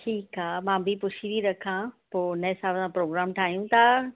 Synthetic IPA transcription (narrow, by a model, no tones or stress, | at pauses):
ʈʰiːkaːmãːbʱipʊt͡ʃʰiʋiɾɐkʰãpoːnɐsaːbəsãːpɾoːɡɾaːmʈʰaːɦijũt̪ʰa